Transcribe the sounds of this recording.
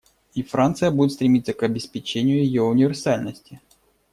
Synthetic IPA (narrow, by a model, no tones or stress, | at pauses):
ifɾant̪sɨjəbudʲɪt̪st̪ɾʲɪmʲit̪səkɐbʲɪspʲɪt͡ɕenʲɪjʊjɪjoʊnʲɪvʲɪrsalʲnəsʲtʲɪ